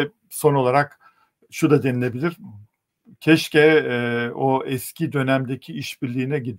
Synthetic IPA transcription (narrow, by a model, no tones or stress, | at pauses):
so̞no̞lˠaɾak | ʃud̪ad̪enilʲe̞bilʲiɾ̥ | cʰɛʃcɛ | oɛscʰid̪ø̞næmd̪ecʰiiʃbiɾlʲiːnɛɟid̪